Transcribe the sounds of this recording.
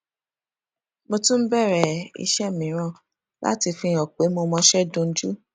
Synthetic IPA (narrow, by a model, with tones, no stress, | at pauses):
mo˧tũ˦m̩˦bɛ˦˨ɾɛ˨ḭ˧ʃɛ˦mĩ˨˦ɾ̃ã˦˨ | la̰˦ti˧fĩ˧˨ɔ˨k͡pe˨˦mo˧mɔ̃˧ʃɛ˦dõ˧n̩˦d͡ʒu˦